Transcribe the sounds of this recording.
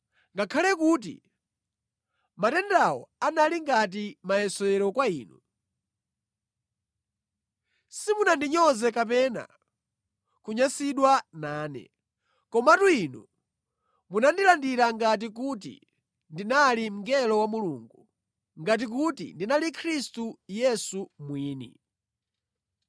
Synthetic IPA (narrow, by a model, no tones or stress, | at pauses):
ŋɡakʰalɛkut̬ḭ | matɛndawɔ̰analiŋɡat̬imajɛsɔɛɾɔkwaiːnu | simunandiɲɔzɛkap̬ɛna̰ | kuɲasiɗwanaːnɛ̰ | kɔmatuinṵ | munandilandiɾaŋɡat̬ik̬ut̬ḭ | ndinalim̩ŋɡɛlɔwamulṵŋɡu | ŋɡat̬ik̬utḭndinalikʰɾistujɛsumwiːnḭ